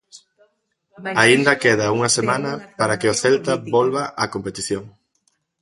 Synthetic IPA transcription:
aind̪ɐkeð̞ɐuŋɐsemãnɐpaɾɐkɪʊθelt̪ɐbolβɐʔɐkompet̪iθjoŋ

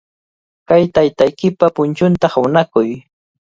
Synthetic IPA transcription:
kajt̪ajt̪ajkɪpapʊnt͡ʃʊnt̪aχʊnakʊj

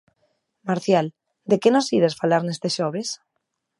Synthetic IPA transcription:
maɾθjal | d̪ekenosiɾesfalaɾnest̪eʃoβ̞es

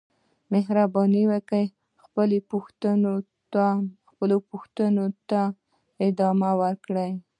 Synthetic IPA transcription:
meɦɾabɑniwəkəj | xpəlepuxt̪əno | t̪axpəlopʊxt̪ənot̪a | ɪd̪ɑmawəɾkɽəj

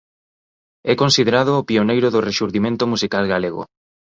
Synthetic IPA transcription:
ɛkonsiðeɾað̞oːpionejɾʊðʊreʃuɾðimẽnt̪omusikalɣaleɣo̰

